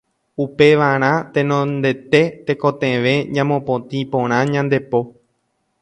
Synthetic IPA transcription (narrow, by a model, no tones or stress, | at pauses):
upe̞ʋaɾ̃ãt̪ẽ̞nõnd̪e̞t̪e̞t̪ekot̪ẽʋe̞ɲãmõpõt̪ĩpõɾ̃ãɲãnd̪e̞po̞